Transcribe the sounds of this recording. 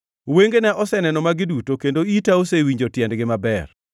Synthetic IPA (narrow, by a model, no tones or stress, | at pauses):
weŋɡnɛʔɔsɛnɛnɔmaɡɪdutokendoitaosewiɲd͡ʒotjɛndɡɪmabɛr